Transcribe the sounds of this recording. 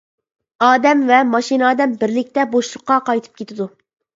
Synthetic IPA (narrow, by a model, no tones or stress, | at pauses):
ɑːd̪ɛmvɛmɑʃinɑːd̪ɛmbɪɾlɪk̚ʲt̪ɛboʃlˠʊqːɑqʰɑjt̪ʰɨ̥p̚kʲet̪ɪd̪u